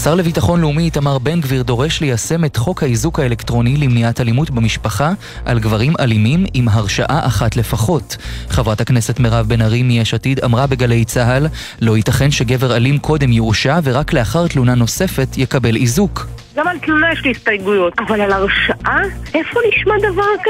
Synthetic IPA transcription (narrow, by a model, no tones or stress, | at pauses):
saʁle̞vitaχo̞nleumiːtamaʁbe̞nɡviʁdo̞ʁe̞ʃlejase̞me̞tχo̞khaizukhaelektʁo̞nilimniathalimutbemiʃpaχa | ʔalɡvaʁimʔalimimimɦaʁʃa̰ʔaʔaχatle̞faχo̞tχevʁatakne̞se̞tmeʁavbe̞naʁimijeʃatida̰mʁabeɡale̞jt͡saɦal | lo̞hitaχe̞nʃe̞ɡe̞ve̞ʁalimkʰo̞de̞mjiuʃave̞ʁakle̞aχaʁtlunano̞se̞fe̞tjekabe̞lizukɡamalt̪lunajeʃliist̪ajɡujotavalalaʁʃaʔaʔefoniʃmad̪avaʁk